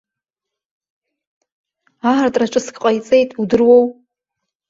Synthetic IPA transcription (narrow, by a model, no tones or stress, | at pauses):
artʼraʈ͡ʂʷʼɨskʼqʼajt͡sʼejtʼudɨrwow